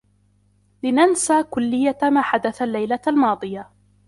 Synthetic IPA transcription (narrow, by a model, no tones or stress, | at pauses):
lɪnansaːkʊlːɪjːamaːħad̪aθalːajlalmɑːd̪ˤɨja